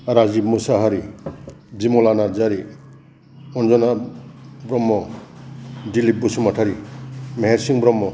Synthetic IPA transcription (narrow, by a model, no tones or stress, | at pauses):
ɾazimusaɦaɾi | bimɔlanazaɾi | ɔnzɔna | bɾɔmːɔ | dilip̚busumatʰaɾimeɦeɾsiŋbɾɔmːɔ